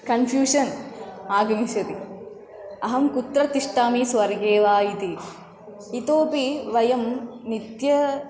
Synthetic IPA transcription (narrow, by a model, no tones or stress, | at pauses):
kɐnfʰjuːʂɐnaːɡɐmiʃɐt̪i | ɐɦɐmkut̪ɾɐt̪iʂʈaːmisʋɐɾɡeːʋaːjit̪i | it̪oːpiʋɐjɐmnit̪jɐ